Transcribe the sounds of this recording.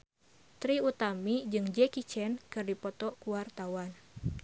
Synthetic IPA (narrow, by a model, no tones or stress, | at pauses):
t̪ɾiut̪amid͡ʒɨŋd͡ʒɛkit͡ʃɛnkɨrdipɔt̪ɔkuwart̪awan